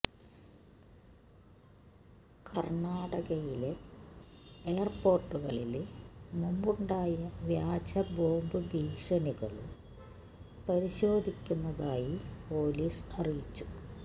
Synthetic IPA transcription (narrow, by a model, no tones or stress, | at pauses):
kʰɐrɳaːɽɐɣɐjile̞ | eːɐrpo̞ːrʈːuɣɐɭilmumbuɳɖaːjɐʋjaːd͡ʑɐbo̞ːmbɨbʱiːɕɐniɣɐ̰ɭṵm | pɐɾiɕoːd̪ʱikʲːunːɐðaːjipo̞ːliːsɐrijit͡ɕːu̥